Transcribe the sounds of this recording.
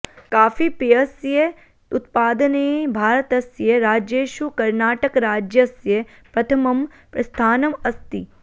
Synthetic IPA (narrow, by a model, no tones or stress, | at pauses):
kaːfipijɐsje | ʊt̪̚paːd̪əneːbʱaːɾət̪ɐsjɐɾaːd͡ʒeːʃukɐɾnaːʈəkɾaːd͡ʒjɐsjɐ | pɾɐt̪ʰɐmɐm | pɾɐst̪ʰaːnɐmɐst̪i